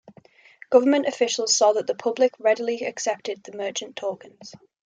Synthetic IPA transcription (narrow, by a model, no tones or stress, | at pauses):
ɡ̥ʌvəmə̃ntəfɪʃəlˠz̥sɔːðəʔðəpʰʊblɪkʰɹɛdəliəksɛp̚tɪd̪̚ðəmɜˑt͡ʃə̃ntʰɔːɡə̃nz̥